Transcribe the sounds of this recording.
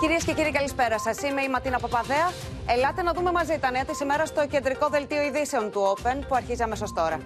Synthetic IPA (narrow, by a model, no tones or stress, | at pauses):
ciɾiesce̞ciɾiikɐlispe̞ɾɐsɐsime̞imɐt̪inɐpɐpɐðeɐ | elɐt̪e̞nɐðume̞mɐzit̪ɐneɐt̪isimeɾɐst̪o̞ce̞nd̪ɾiko̞ðe̞lt̪io̞iðise̞o̞nt̪uo̞pe̞npuɐɾçiziɐme̞so̞st̪o̞ɾɐ